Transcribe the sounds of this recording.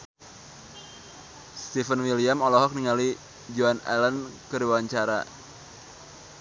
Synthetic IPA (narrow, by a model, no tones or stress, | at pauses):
st̪ifənwiliamɔlɔɦɔk̚niŋali | d͡ʒuanɛ̰lənkɨɾiwaɲt͡ʃaɾa̰